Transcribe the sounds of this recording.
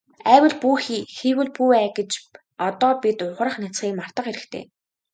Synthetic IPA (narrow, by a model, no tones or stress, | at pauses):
æːwə̆ɮpuːxiːxiːwɘ̆ɮpuːæːɡet͡ɕ | ɔt̪ɔːpʲit̪ʊʁ̆rə̆χnat͡sχiːkmar̥t̪ə̆χeɾɘ̆kt̪ʰḛː